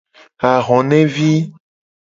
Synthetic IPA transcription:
a˨ɣɔ̃˨nɛ̃˦vi˦

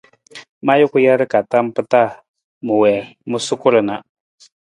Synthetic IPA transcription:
ma˦jʊ˦kʊ˦ja˦ɾɪ˦ka˨ta˦m˦pɨ˦ta˦˨ | mu˨wɛ˨mʊ˦sʊ˦kʊ˦lɨ˨na˨

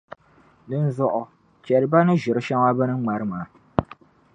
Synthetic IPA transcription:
dɨ˦n̩˦zʊ˦ʔʊ˨ | t͡ʃɛ˨ɾɨ˨˦ba˦nɨ˦ʒɪ˨ɾɨ˦ʃa˦ŋa˦bɨ˦nɨ˦ŋ͡ma˨ɾɨ˦maː˨

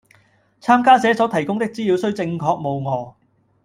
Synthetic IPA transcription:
t͡sʰaː˥mkaː˥sɛː˨˥sɔː˨˥t̪ʰɐ˨˩jkʊ˥ŋt̪ɪ˥k̚t͡siː˥liː˨˧wsɵ˥ɥt͡sɪ˧ŋkʰɔː˧k̚mo˨˧wŋɔː˨˧

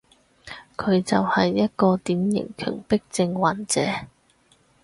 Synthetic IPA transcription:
kʰɵ˨˧ɥt͡sɐ˨whɐ˨jːɐ˥t̚kɔː˧t̪iː˨˥mjɪ̰˨˩ŋkʰœ̰ː˨˩ŋpɪ˥k̚t͡sɪ˧ŋwaː˨˥nt͡sɛ̰ː˨˥

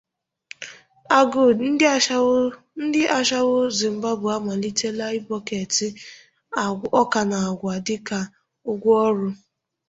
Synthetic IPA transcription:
a˨ɡu˨n̩˦ | n̩˦dɪ˦ʔa˦ʃa˦wʊ˦zɪ˨m̩˨ba˦bʊ˨a˦ma˨li˦te˦la˦i˦bɔ˦ke˨tɪ˦˨ | ɔ˦ka˨na˨ɡʷa˨dɪ˦ka˦ | ʊ˦ɡʷʊ˦ɔ˦ɾʊ˦

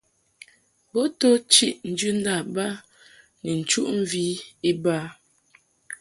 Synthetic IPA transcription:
bo˦to˦t͡ʃi˦ʔn̩˨d͡ʒʉ˦n̩˦da˦˨ba˦ | nɛ˨n̩˨t͡ʃu˦ʔm̩˦vi˦i˦ba˦

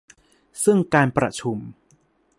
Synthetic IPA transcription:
sɯ˥˩ŋkaː˧npɾa̰˧t͡ɕʰu˧m

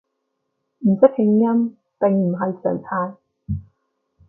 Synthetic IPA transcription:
m̩˨˩sɪ˥k̚hɪ˨˥ŋjɐ˥m | t̪e˨ŋm̩˨˩ɦɐ˨jsœ̰ː˨˩ŋt͡sʰaː˧j

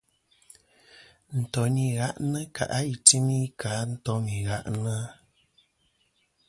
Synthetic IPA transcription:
n̩˨tɔ˨ni˨ɣa˦ʔnə˦kʰa̰˨ʔa˦i˨ti˦mi˦kʰa˨˦n̩˦tɔ˨˦mi˨ɣa˦ʔnə˦

